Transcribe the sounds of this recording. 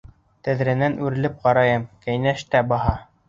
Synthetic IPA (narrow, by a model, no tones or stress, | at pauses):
t̪æðɾænænʔʉɾɘ̆lɘp̚qɑɾɑjɤmkæjnæʃt̪æbɑɦɑ